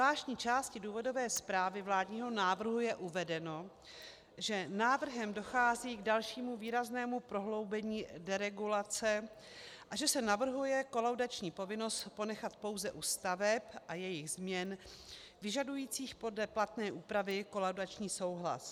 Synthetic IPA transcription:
laːʃɲiːt͡ʃaːscɪduːvo̞do̞vɛːspɾaːvɪvlaːdɲiːɦo̞naːvr̩ɦujɛʔuvɛdɛno̞ | ʒɛnaːvr̩ɦɛmdo̞xaːziːɡdalʃiːmuviːɾaznɛːmupɾo̞ɦlo̞wbɛɲiːdɛɾɛɡulat͡sɛ | ʔaʒɛsɛnavr̩ɦujɛko̞lawdat͡ʃɲiːpo̞vɪno̞st̪po̞nɛxat̪po̞wzɛʔuːst̪avɛpʔajɛjɪɣzmɲɛn | vɪʒadujiːt͡siːxpo̞dlɛplat̪nɛːʔuːpɾavɪko̞lawdat͡ʃɲiːso̞wɦla̰s

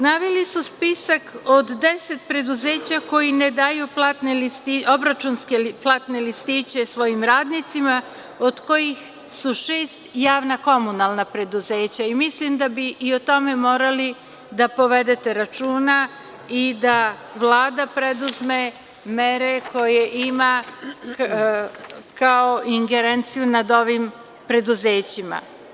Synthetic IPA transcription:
snaːʋilisuspisakod̪ːese̞t̪̚pɾe̞d̪uze̞ːt͡ɕako̞jined̪ajuplat̪nelist̪iobɾat͡ʃunskeplˠat̪nelist̪it͡ɕe̞sʋo̞jimɾaːd̪nit̪sima | od̪̥ko̞jix | suʃeːst̪jaːʋnako̞munalˠnapɾe̞d̪uze̞ːt͡ɕaimislimd̪abiːot̪o̞me̞mo̞ːɾali | d̪apo̞ʋe̞d̪e̞t̪e̞ɾat͡ʃuːna | id̪a | ʋlˠaːd̪apɾed̪uzme̞ | meɾe̞kʰo̞jeʔima | kaoiŋɡe̞ɾent̪sijunad̪o̞ʋim | pɾe̞d̪uze̞ːt͡ɕima̰

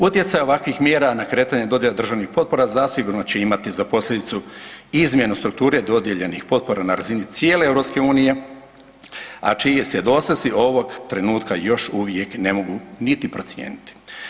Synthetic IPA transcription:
ut̪je̞t̪sajoʋakʋixmjeːɾanakɾe̞ːt̪aɲed̪o̞d̪jelad̪r̩ʒaʋnixpo̞t̪̚po̞ɾazasiɡuɾnot͡ɕe̞imat̪izapo̞slʎʲe̞d̪it̪suizmʲje̞nust̪ɾuk̚t̪uːɾed̪o̞d̪je̞ʎe̞nixpo̞t̪̚po̞ɾanaɾazinit̪sjeːleevɾo̞pske̞uːnije̞ | a̰t͡ʃijesjed̪o̞sesiʔo̞ʋo̞ɡt̪ɾe̞nuːt̪kajo̞ʃuʋje̞kne̞moɡunit̪ipɾo̞t̪sʲjḛːnit̪i̥

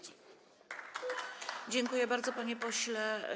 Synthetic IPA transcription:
d͡ʑɛŋkujɛbaɾd̪zɔpaɲɛpɔɕlɛ

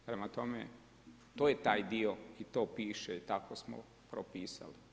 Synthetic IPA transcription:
pɾemat̪o̞mḛ | t̪oːjet̪aːjd̪ioit̪oːpiːʃeit̪akosmo̰ | pɾopiːsa̰li

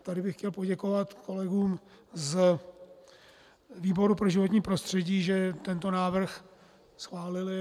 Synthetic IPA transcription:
t̪adɪbɪxcɛlpo̞ɟɛkovat̪ko̞lɛɡuːm | z | viːbo̞ɾupɾo̞ʒɪvoɲiːpɾo̞st̪r̝̥ɛɟiːʒɛt̪ɛnt̪o̞naːvr̩x | sxvaːlɪlɪ

